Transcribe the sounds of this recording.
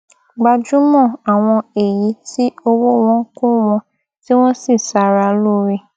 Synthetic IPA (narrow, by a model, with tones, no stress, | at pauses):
ɡ͡ba˧d͡ʒũ˨˦mɔ̃˦˨a˨w̃ɔ̃˧e˨ji˨˦si˦o˧wo˦w̃ɔ̃˨˦ko˦w̃ɔ̃˧ | ti˦w̃ɔ̃˦si˦˨sa˧ɾa˧lo˦ɾe˦˨